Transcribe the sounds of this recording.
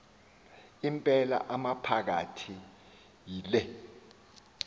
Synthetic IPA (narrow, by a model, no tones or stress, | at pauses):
impʼɛla̰ʔamapʰak̬a̰tʰi | jilɛ